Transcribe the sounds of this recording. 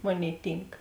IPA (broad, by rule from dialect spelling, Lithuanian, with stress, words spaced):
ˈmoːˌnʲeːɪ ˈtʲiːŋk